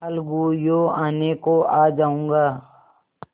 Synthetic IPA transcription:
alɡujoːaːnekoaːd͡ʒaːũːŋɡaː

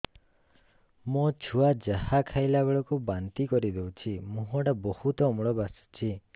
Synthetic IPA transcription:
mɔt͡ʃʰuad͡ʒahakʰajlabeɭɔkubant̪ikɔɾid̪ewt͡ʃʰimũɦɔʈabɔhut̪ɔːmɭɔbasu̥t͡ʃʰi

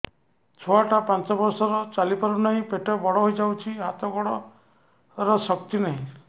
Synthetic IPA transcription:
t͡ʃʰɔaʈapãnt͡ʃɔbɔɾsɔɾɔt͡ʃalipɔɾunaɦĩpeʈɔbɔɽɔɦojd͡ʒawt͡ʃʰiɦat̪ɔɡɔɽɔ | ɾɔsɔk̚t̪inaɦĩ

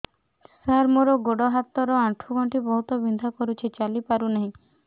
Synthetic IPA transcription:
saɾmoɾɔɡoɽɔɦat̪ɔɾɔaʈʰuɡʱɔɳʈʰibɔɦut̪ɔbind̪ʱɔkɔɾut͡ʃʰit͡ʃalipaɾunaɦĩ

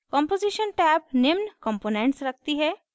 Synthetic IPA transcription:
kɔ̃ːmpoːziʃənʈɛːp̚nɪmnkɔ̃mpoːnẽɳʈsɾɐk̚ʰt̪iɦɛː

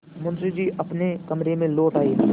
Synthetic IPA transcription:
mʊnsid͡ʒiːʔəpnekəmɾemẽloːʈaːeː

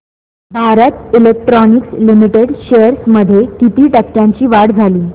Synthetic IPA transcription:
bʱaɾət̪ilek̚ʈɾɔnikslimiʈeɽɕejəɾsməd̪ʱːjekit̪iːʈəkːjãɲt͡ɕiːʋaɽd͡zʱaliː

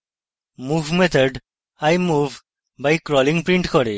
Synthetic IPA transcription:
muʋmet̪ʰəɖ | ajmuv | bajkɾɔlĩŋpɾĩɳʈkɔɾi

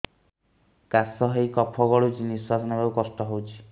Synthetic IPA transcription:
kasɔɦejkɔpʰɔɡɔɭud͡ʒiniswasɔnɔbawkɔsʈɔɦowt͡ʃʰi̥

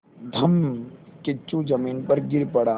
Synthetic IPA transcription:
d̪ʱɐmkɪt͡ʃːũd͡ʒɐmiːnpɐɾɡɪɾpɐɽaː

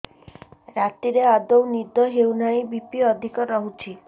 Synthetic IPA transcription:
ɾat̪iɾead̪ownid̪ʱɔɦewnaĩbipiɔd̪ʱikɔɾɔɦut͡ʃʰi

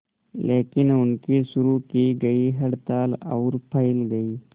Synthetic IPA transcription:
leːkɪnʊnkisʊɾukiɡɐiɦɐɽt̪aːla̰ʊɾpʰɐɪlɡɐiː

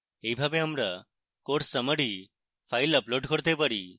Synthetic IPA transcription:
ejbʱabeamɾa | koʈsəməɽi | pʰajləploɖkoɾt̪epaɾi

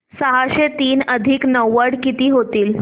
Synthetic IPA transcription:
səɦaɕet̪iːnəd̪ʱiːknəwːəɽkit̪iːɦot̪iːl

